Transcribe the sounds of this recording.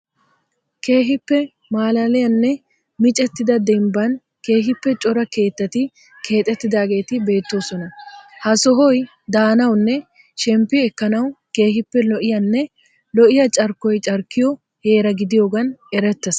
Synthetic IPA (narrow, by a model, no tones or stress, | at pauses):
ke̞ːɦɪpːɛ | maːlɐlɛjɐnːɛ | mɪt͡ʃʼɛt̪ːɪd̪ɐd̪ɛmbɐn | ke̞ːɦɪpːɛt͡ʃʼɔɾɐke̞ːt̪ːɐt̪ɪ | kʰe̞ːt̪ʼːɛt̪ːɪd̪aːɡe̞ːt̪ɪbe̞ːt̪ːo̞ːsɔnɐhɐsɔɦɔj | d̪aːnɐwnːɛ | ʃɛmpːɪɛkːɐnɐwke̞ːɦɪpːɛlɔʔɪjɐnːɛ | lɔʔɪjɐt͡ʃʼɐɾkːɔjt͡ʃʼɐɾkːɪjɔ | he̞ːɾɐɡɪd̪ɪjo̞ːɡɐnɛɾɛt̪ːɐs